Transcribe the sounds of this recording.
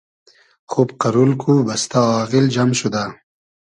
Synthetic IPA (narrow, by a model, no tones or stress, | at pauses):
xubqɐɾulkʰubɐst̪aɑːɣild͡ʑamɕud̪a